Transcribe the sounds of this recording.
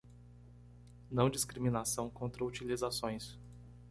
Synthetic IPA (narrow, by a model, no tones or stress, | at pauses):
nɐ̃w̃d͡ʒiskɾimĩnasɐ̃w̃kõnt̪ɾɐut͡ʃilizasõj̃s